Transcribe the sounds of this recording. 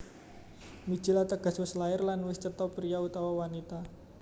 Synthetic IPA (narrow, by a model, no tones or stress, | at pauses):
mi̥d͡ʒ̥i̤lat̪əɡ̥a̤swəslaɪrlanwɪst͡ʃət̪ɔpɾiaut̪awawanit̪a